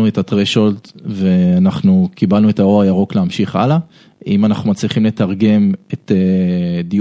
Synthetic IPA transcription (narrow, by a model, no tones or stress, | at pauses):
uetatʁeʃoltve̞anaχnukibalnue̞taoajaʁo̞kleamʃiχa̰la | imanaχnumat͡sliχimle̞taʁɡe̞meted̪i